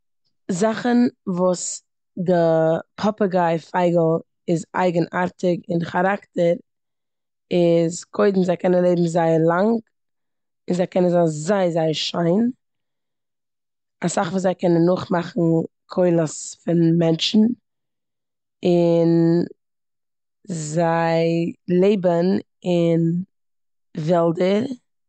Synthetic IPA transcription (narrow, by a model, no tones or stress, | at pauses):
zaχənvuːs | dəpʰɔpəɡaɪfaɪɡl̩ˠ | ɪza̰ɪɡənʔaɾtɪkɪnχaɾaktəɾ | ɪzkʰoɪdn̩zaɪkʰɛnənlˠeɪbm̩zaɪəɾlˠaŋɡ | ɪnzaɪkʰɛnənzazaɪəzaɪəɾʃaɪn | asaχvuːzaɪkɛnənːʊχmaχn̩ | kʰɔɪlˠəsfɪnmɛnʃn̩ | ɪn | zaɪlˠeɪbən | ɪn | vɛlˠdəɾ